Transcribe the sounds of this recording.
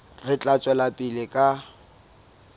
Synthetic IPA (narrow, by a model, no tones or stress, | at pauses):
rɪt͡ɬʼat͡sʼwɛlapʼilɪkʼa